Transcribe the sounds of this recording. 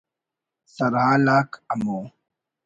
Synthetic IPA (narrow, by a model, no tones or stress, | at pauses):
sɐɾɦaːlaːkɐmoː